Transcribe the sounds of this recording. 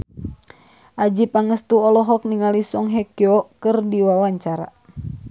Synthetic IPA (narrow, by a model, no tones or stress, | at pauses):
ʔad͡ʒipaŋəst̪uɔlɔɦɔk̚niŋalisɔŋɦɛkjɔkɨrdiwawaɲt͡ʃaɾa̰